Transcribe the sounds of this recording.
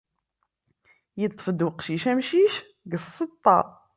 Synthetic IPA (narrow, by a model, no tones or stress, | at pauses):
jət̪ˤːfəd̪wəqʃiʃæmʃiʃ | ɡθsˤːət̪ˤːɑ̰ˤ